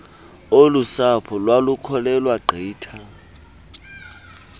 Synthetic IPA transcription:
olusapʰɔlwalukʰɔlɛlwaɡ͡ǃʱiːtʰa

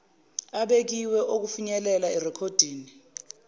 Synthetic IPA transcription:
aɓek̬iwɛʔok̬ufuɲɛlɛlaɛrɛkʰod̥ʱiːni

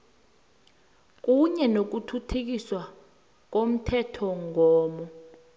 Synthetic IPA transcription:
k̬uɲɛnok̬utʰutʰuk̬iswa | k̬om̩tʰɛtʰɔŋɔːmɔ

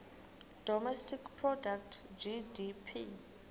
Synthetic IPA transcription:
d̥ɔmɛstʰikpʰrɔdak̚tʰd͡ʒidipʰi

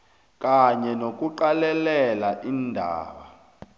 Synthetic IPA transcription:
kʼaɲɛnok̬ʼuǃalɛlɛlaʔindʱa̰ːɓa

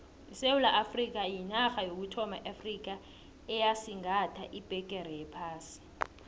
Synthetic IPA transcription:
isewulaʔafrik̬ajinaxajok̬utʰɔmaʔafrik̬a | ɛjasiŋatʰa̰ʔib̥ʱɛk̬ʼɛɾɛjɛpʰaːsi̥

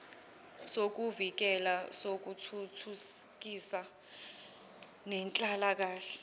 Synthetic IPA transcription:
sok̬uvik̬ɛlasok̬utʰutʰuk̬isa | nɛnt͡ɬʼalak̬aːɬɛ

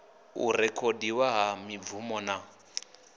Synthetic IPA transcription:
ṵrɛkʰodiwaɦamib̪vumɔna

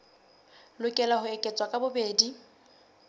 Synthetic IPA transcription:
lʊkʼɛlaɦʊɛkʼet͡sʼwakʼabʊbeːdi

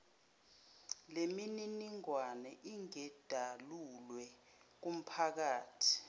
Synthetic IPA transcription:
lemininiŋwanɛʔiŋɛd̥ʱalulwɛ | k̬um̩pʰak̬aːtʰi̥

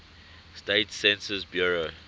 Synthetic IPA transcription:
stetsɛ̃nsəzbjuɹo

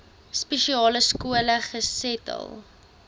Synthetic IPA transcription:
spɛʃiɑːləskuələχəsɛtə̰lˠ

